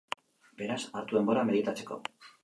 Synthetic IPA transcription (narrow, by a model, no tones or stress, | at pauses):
be̞ɾasaɾt̪ue̞mbo̞ɾame̞ðit̪at͡se̞̥ko̞̰